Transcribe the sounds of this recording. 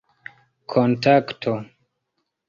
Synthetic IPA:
kʰontaktʰo

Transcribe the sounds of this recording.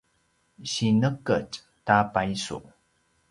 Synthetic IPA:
ɕinəkət͡ɕ | tapaisṵ

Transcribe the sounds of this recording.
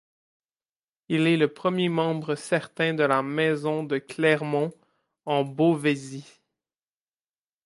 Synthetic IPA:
ilɛləpχəmjemɑ̃bʁəsɛʁt̪ɛ̃d̪əlamɛzɔ̃d̪əklɛʁmɔ̃ | ɑ̃bovezi

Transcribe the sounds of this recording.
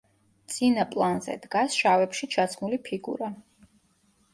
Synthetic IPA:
t̪sʼinapʼlˠanzɛ̰d̪ɡasʃavɛpʃit͡ʃʰat̪sʰmulipʰiɡṵɾa

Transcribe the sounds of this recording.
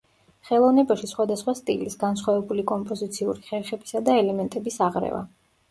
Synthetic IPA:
χɛlˠɔvnɛbaʃisχwad̪asχwast̪ʼilisɡans̬χwavɛbulikʼɔmpʼɔzit̪sʰiṵɾiχɛɾχɛbisad̪aɛlɛmɛnt̪ʼɛbisaʁɾɛ̰va̰

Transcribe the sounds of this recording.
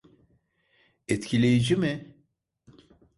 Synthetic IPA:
et̪kʰʲilejid͡ʒimɪ

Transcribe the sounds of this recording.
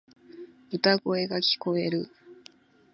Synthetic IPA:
ɯt̪aɡo̞e̞ɡakʲi̥ko̞e̞ɾɯ

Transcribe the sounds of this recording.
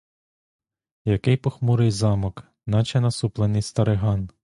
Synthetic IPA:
jɐkɪjpɔxmuɾɪjzɑmɔk | nɑt͡ʃɛnɐsuplˠenɪjst̪ɐɾeɦɑn

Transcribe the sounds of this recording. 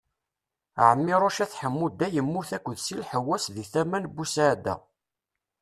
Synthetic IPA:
ʕəmːiɾˤoʃæθħəmːud̪æjəmːuθækʷːðsilħəwːæsðiθæmænbusad̪æ̰

